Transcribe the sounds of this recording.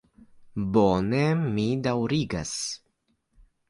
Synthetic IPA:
bonemidawɾiɡa̰s

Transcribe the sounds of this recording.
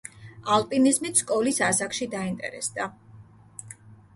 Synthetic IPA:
alˠpʼinizmit̪ʰskʼɔlisasakʃid̪aint̪ʼɛ̰ɾɛ̰sd̪a

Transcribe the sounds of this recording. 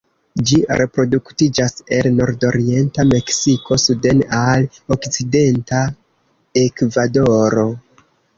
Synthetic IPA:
d͡ʒiɾʔe̞pɾo̞duktid͡ʒase̞lno̞ɾdo̞ɾie̞ntame̞ksiko̞sude̞nalokt͡side̞nta | e̞kvado̞ɾo̞

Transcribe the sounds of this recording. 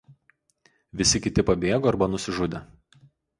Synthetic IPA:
ʋʲɪsʲɪkʲɪt̪ʲɪpɐbʲeːɡoːɐɾbɐnʊsʲɪʒʊd̪ʲe

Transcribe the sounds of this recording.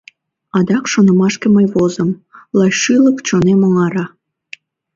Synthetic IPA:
ɑd̪ɑkʃonə̆mɑʃkeməjβozəmlɑjʃɯləkt͡ɕonemoŋɑɾɑ

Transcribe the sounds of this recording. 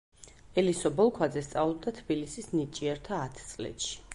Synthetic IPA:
ɛlisɔbɔlˠkʰwad̪zɛst̪sʼavlˠɔbd̪at̪ʰbilisisnit͡ʃʼiɛɾt̪ʰaːt̪ʰt̪sʼlɛ̰t̪ʃi̥

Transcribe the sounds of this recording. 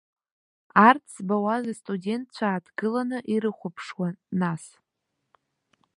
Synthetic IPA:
art͡st͡sʰbawazastʼudʲe̞ntʰt͡ɕʷʰaːdɡɨlanɨʔiɾɨχʷʊpʰʂwanas

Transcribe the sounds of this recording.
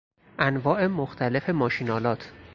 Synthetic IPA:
ʔænvɒːʔe̞moxt̪ʰæle̞fe̞mɒːʃinɒːlɒːt̪ʰ

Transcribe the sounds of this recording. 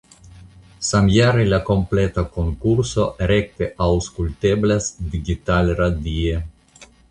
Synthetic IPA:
samjaɾelako̞mplet̪ako̞ŋkuɾso̞ɾek̚t̪eʔawskult̪eblasd̪iɡit̪alɾad̪ie

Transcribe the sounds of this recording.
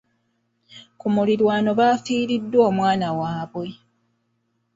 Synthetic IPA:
kumuliɾwaːno̞βaːfiːɾidːwo̞ːmwaːnawaːβwe̞

